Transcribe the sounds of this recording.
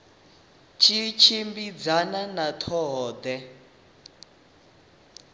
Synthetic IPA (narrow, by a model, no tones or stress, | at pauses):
t͡ʃʰit͡ʃʰimbid͡zananat̪ʰɔɦɔːd̪ɛ